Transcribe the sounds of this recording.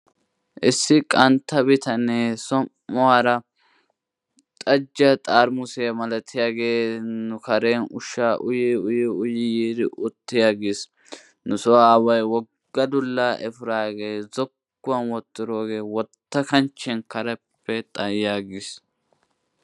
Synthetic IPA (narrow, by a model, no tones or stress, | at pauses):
ʔɪsːɪkʼɐnt̪ːɐbɪt̪ɐnesɔmːʊwaːɾɐ | t̪ʼɐd͡ʒːɐt̪ʼaːɾmʊsɛjɐmɐlɐt̪ʰɪjaːɡe̞ːnʊkɐɾeːnʊʃaːʔʊjiʊjɪʊjɪjiːd̪ɪʔʊt̪ːɪjaːɡɪs | nʊsɔwaːwɐjwɔɡɡ̥ːɐd̪ʊlːaːʔɛfɪɾaːɡe̞ːzɔkːʊwɐnwɔt̪ːɪɾoːɡe̞ːwɔt̪ːɐkɐnt͡ʃːɛnkɐɾɛpːɛt̪ʼɐjaːɡɪs